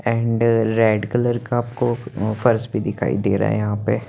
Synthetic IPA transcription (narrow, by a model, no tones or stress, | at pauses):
ɛ̃ːɳɖɾɛːɖkɪləɾkaaːpkofɐɾsbʱid̪ɪkʰa̰ːḭd̪eːɾa̰ːḛjɐɦãːpe